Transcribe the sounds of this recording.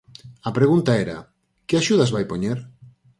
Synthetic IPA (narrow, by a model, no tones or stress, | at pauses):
apɾeɣunt̪aeɾa̰ | keaʃuð̞azβajpoɲeɾ